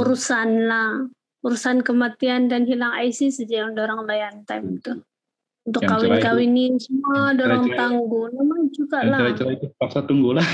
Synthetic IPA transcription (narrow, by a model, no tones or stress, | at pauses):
uɾusanlah | uɾusankəmat̪iandanɦilaŋajsisədiadoɾaŋlajant̪amt̪u | unt̪ʊkkːawɪnkawɪnisəmuadoɾaŋt̪aŋɡunamaŋt͡ʃuɡaʔlaɾat͡ʃəɾat̪upaksat̪uŋɡula